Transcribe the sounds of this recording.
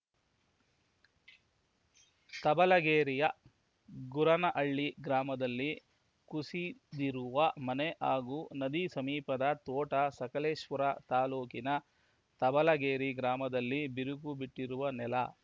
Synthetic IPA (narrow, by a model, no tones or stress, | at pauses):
t̪ɐbɐlɐɡeːɾijɐ | ɡuɾɐnɐʔɐɭːiɡɾaːmɐd̪ɐlːi | kusid̪iɾuʋɐmɐneʔaːɡuːnɐd̪isɐmiːpɐd̪ɐt̪ɔːʈɐsɐkɐleːʃʋɐɾɐt̪aːluːkinɐ | t̪ɐbɐlɐɡeːɾiɡɾaːmɐd̪ɐlːibiɾuɡubiʈːiɾuʋɐnɛlɐ